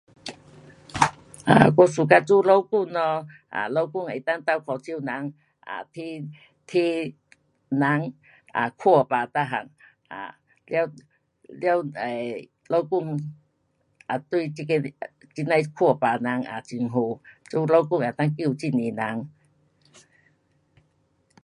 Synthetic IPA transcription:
ʔa̰˨˩kɔ˧su˨˩ka˧t͡su˦lo˦wku˥˧ŋnɔ˧ʔa̰˨lo˦wku˥˧˨ŋa˨˩˨t̪a˥˧ŋt̪a˧˨wkʰɔ˧˩t͡ɕi˧˨wna˨˦ŋ | ʔa̰˨t̪ʰi˧˦ | t̪ʰi˦ | na˨˦ŋ | a̰˨˩kʰu˥˧˩paː˨˩t̪a˧ɦa̰˨˩ŋ | a̰˨ | lja˧w | lja˧we˨ | lo˦wku˥˧˨ŋ | ʔa˨˩t̪wi˧˨t͡ɕi˧ke˧t͡ɕi˧na˧˨jkʰu˧˩˨pa˨˩na˨˦ŋa̰˨t͡ɕi˧ŋɦo˧˩t͡su˦lo˦wku˥˧˨ŋa˨˩˨t̪a˥˧ŋki˧˨t͡ɕi˧˨nĩ˨na˨˦ŋ

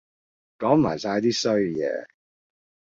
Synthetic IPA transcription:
kɔː˨˥ŋmaː˨˩jsaː˧jt̪iː˥sɵ˥ɥjɛ̰ː˨˧

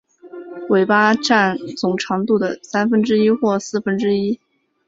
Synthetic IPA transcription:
we˨˩ɪpa˥ʈ͡ʂa˥˩nt͡sʊ˨˩ŋʈ͡ʂʰɑ˧˥ŋt̪u˥˩d̪ə˩sa˥nfə˥nʈ͡ʂɻ̩˥i˥xwɔ˥˩sɹ̩˥˩fə˥nʈ͡ʂɻ̩˥i˥

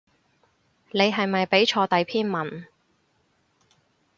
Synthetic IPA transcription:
ne˨˧jɦɐ˨jmɐ˨jpe˨˥jt͡ʃʰɔː˧t̪ɐ˨jpʰiː˥nmɐ˨˩n

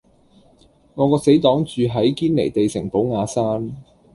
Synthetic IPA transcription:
ŋɔː˨˧kɔː˧se˨˥jt̪ɔː˨˥ŋt͡ʃyː˨ɦɐ˨˥jkiː˥nle˨˩jt̪e˨jsɪ˨˩ŋpo˨˥wŋaː˨˧saː˥n

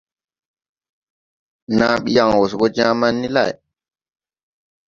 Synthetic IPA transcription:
naː˦ɓi˦ja˨ŋwo˨sbɔ˦d͡ʒãː˦ma˦nːi˦la̰˦˨j

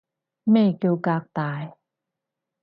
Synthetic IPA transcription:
mɛː˥˩ke˧wkaː˧k̚t̪aː˨˧˦j

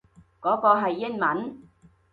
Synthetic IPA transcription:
kɔː˨˥kɔː˧ɦɐ˨jːɪ˥nmɐ˨˥n

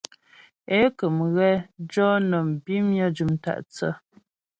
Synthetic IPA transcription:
e˦kə˨mɣɛ˦d͡ʒɔ˦nɔ˨m̩˨bi˦mjə˦d͡ʒu˨mta̰˦˨ʔt͡sə̰˦

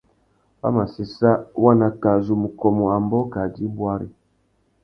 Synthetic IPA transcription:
ba̰˦ma˨si˨sa˦wa˦na˨ka˨zu˨mu˨kɔ˨mɔ˨a˨mbɔ˦ka˨di˦bwa˦ɾḭ˦

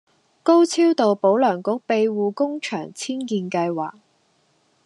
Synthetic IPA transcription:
ko˥wt͡sʰiː˥wt̪o˨wpo˨˥wlœː˨˩ŋkʊ˨˥k̚pe˧jwuː˨kʊ˥ŋt͡ʃʰœː˨˩ŋt͡sʰiː˥nkiː˧nkɐ˧jwa̰ː˨˩k̚

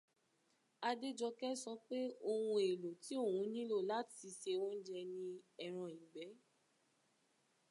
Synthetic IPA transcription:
a˧de˦d͡ʒɔ˧kɛ˦sɔ˧˦k͡pe˦o˧wũ˧e˨lo˨ti˨˦o˦˨wũ˨˦nĩ˦lo˦˨la˨˦ti˨˧˦ʃe˧wɔ̃˦n̩˦d͡ʒɛ˧nĩ˧ɛ˨ɾ̃ã˧˨ĩ˨ɡ͡bɛ˨˦

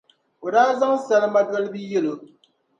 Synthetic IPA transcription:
o˨daː˦za˦ŋsa˦lɨ˦ma˦dɔ˦lɨ˦bi˦jɛ˦lo˨

